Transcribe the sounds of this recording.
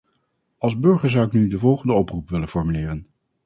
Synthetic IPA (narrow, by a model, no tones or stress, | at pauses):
ɑlˠzbɵɹχəɹzʌwɪknydəvɔlˠχəndəɔprupʋɪlənfɔɹmylɪːrən